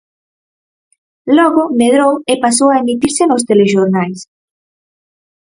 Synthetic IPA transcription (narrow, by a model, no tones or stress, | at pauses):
lɔɣomeð̞ɾowepas̬owaemit̪iɾsenos̬t̪eleʃoɾnajs